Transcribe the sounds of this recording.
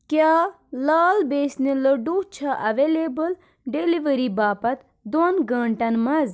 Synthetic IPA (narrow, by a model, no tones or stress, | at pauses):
kjaː | laːlbeːsnilɐɖuːt͡ʃʰɐʔɐʋelebɐl | ɖeliʋɐɾibaːpɐt̪ | d̪onɡɐːɳʈɐnmɐz